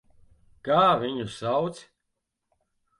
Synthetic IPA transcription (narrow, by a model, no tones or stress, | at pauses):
kaːvʲiɲusawt̪sʲ